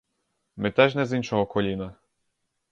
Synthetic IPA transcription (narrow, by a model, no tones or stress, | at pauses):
mɪt̪ɛʒnɛzinʃɔɦɔkɔlʲinɐ